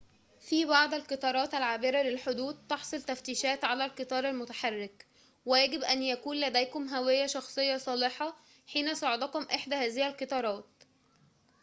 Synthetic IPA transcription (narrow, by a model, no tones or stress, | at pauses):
fiːbɑʕd̪ˤælqɨt̪ˤɑːɾˤɑːt̪ælʕaːbɪɾælelħod̪uːd̪̚t̪ːɑħsˤolt̪æft̪iːʃæːt̪ʕalælkɨt̪ˤɑːɾˤælmot̪aħɑrːɪk | wejæɡɪbʔænjækuːnlæd̪æjkʊmɦæwɪjːæʃɑxsˤejːɑsˤɑːleħɑ | ħiːnæsˤɑʕed̪ɑkomʔeħd̪æhæːzɪhælqɨt̪ˤɑːɾˤɑːt̪̚